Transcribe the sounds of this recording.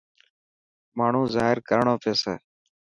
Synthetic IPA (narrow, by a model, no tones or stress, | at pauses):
maːɳ̤ũːzaːɦɪɾkəɾɳoːpʰeːsḛː